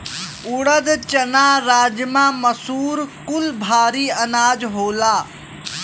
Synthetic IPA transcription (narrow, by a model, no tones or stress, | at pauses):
ʊɽəd̪t͡ʃɐnaːɾaːd͡ʒmãːmɐsuːɾkʊlbʱaːɾiːɐnaːd͡ʒɦoːlaː